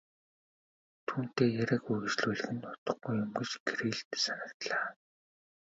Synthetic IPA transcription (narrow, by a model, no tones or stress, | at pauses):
t̪ʰuːn̥t̪eːjæɾʲæ̆ɣujɣɘ̆t͡ɕɮuːɮɘ̆xɘ̆nt̪ʊt̪ə̆χɡujːʊmɡɘ̆t͡ɕɡɾiːɮt̪sanə̆kt̪ɮaː